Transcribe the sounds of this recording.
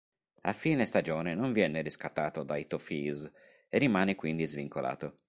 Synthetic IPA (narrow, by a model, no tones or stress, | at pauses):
afːiːnest̪ad͡ʒɔːnenoɱvjɛːneriskat̪ːaːt̪od̪ajt̪ofiːz | erːimaːnekwind̪izviŋkola̰ːt̪o